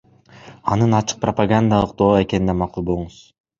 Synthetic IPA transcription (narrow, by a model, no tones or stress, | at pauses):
ɑnɯnɑt͡ʃʰɯ̥q̚prɐpaɡand̪alˠɯq̚d̪o̞ːe̞ke̞nid̪emɑqulˠbo̞lˠuɴuz̥